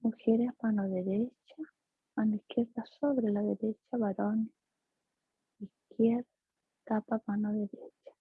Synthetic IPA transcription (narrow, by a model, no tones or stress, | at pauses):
muxeɾesmanoðeɾet͡ʃa | and̪ihkjeɾðasoβɾelaðeɾet͡ʃaβaɾone | ihkjeɾðaa | k̪apapanoðeɾet͡ʃḁ